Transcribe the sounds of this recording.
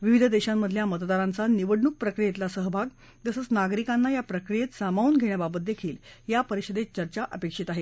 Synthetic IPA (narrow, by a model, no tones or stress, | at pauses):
ʋiʋid̪ʱəd̪eɕamːəd̪ʱljamət̪d̪aɾãnt͡saniʋəɽɳuk̚pɾəkɾijet̪lasəɦbʱaɡ | t̪əsət͡snaɡɾikãnːajapɾəkɾijet̪samauːnɡʱeɽ̃jababət̪̚d̪ekʰiːljapəɾiɕəd̪et͡ɕəɾt͡ɕaʔəpekʂit̪aɦe